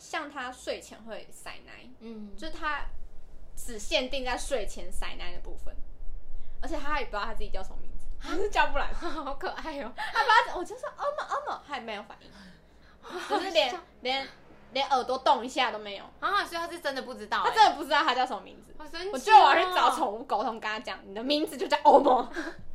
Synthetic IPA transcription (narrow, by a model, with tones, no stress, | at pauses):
ɕjɑ˥˨ŋt̪ʰa˥ʂwe˥˩ɪt͡ɕʰjɛ̰˧˥nxwe˥˩ɪsa̰˨˩ɪna̰˧˥ɪjo˥˧ʂɻ̩˥˩t̪ʰa˦ | ʈ͡ʂɻ̩˨˩ɕjɛ˥˧nt̪i˥˧ŋt͡sa˥˩ɪʂwe˥˩ɪt͡ɕʰjɛ˧˥nsa̰˨˩ɪna˧˥ɪd̪ə˨˩pṵ˥˧˩fə̰˨˩n | ə˧˥t͡ɕʰɛ˨˩t̪ʰa˥xa˥˩˨t̪ʰa˥t͡s̩˥˩t͡ɕi˨˩t͡ɕjɑ˥˩ʊsʰo̰˧˩ŋmḭ˧˥ŋd͡z̩˨˦˥t͡ɕjɑ˥ʊpu˥˩la̰˧˦ɪkʰə˨˩a˥˧˩t̪ʰa˥˨˩a˥˩wɔ˨˩t͡ɕwɔ˥ʔə˥˩mə˨ʔə˥mə˨˩ha˥˩me˧˥ɪjo˧˩ʊfa̰˨˩˦nḭ˥˩ŋʰ | ə˧˩ʂ̩˥˩˨ljɛ˧˦n | ljɛ˧˥n | ljɛ˧˥nʔə˨˩t̪wɔ˥t̪oʊ˥˨˩ŋi˧ɕja˥˨t̪o˥ʊme˧˥ɪjo̰˨˩ʊ˥˨sɔ˧˥˨t̪ʰa˥˩ʈ͡ʂə˦nd̪ə˨pu˥˩ʈ͡ʂɻ̩˥t̪ɑ˥˩ʊa˥ʈ͡ʂə˦nd̪ə˨pu˥˩ʈ͡ʂɻ̩˥t̪ɑ˥˩ʊa˥t͡ɕjɑ˥˧ʊtʰo˨˩ŋ˨mḭ˧˥˦ŋd͡zɹ̩˨˦˨wɔ˨˩t͡ɕwa˨˩ʂɻ̩˥˧ɑ˨˦ʊt͡sʰo˨˦ŋu˧˥ko˧˥ʊt̪ʰo˧˦ŋka˥˦ŋa˥t͡ɕjɑ˨˦ŋni˨˩d̪ə˦mi˧˥ŋd͡z̩˨t͡ɕo˥˧t͡ɕɑ˥˨˩ʔo˥ʊmɔ˧˦